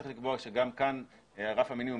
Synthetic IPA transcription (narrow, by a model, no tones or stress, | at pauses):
i̥χlikboaʃeɡamkan | aʁafhaminimu